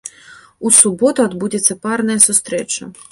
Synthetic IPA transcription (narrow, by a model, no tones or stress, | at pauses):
usubɔt̪uad̪bud͡zʲɛt̪sːɐparnɐjɐsust̪ɾɛt͡ʂɐ̰